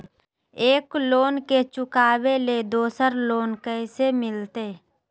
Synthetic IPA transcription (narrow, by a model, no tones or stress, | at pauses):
eːkloːnket͡ʃʊkaːbeled̪oːsəɾloːnkəsemɪlt̪eː